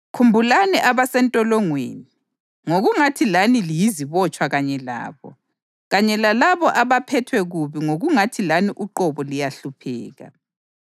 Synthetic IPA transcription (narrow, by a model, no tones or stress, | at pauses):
kʰumbʱulanɛʔaβasɛntʼɔlɔŋwḛːni | ŋoɣuŋatʰilanilijiziβɔt͡ʃʼwaɣaɲɛla̰ːβɔ̰ | ɣaɲɛlalaβɔʔaβapʰɛtʰwɛɣuβiŋoɣuŋatʰilaniʔuǃɔβɔlijaɬupʰɛːɣa̰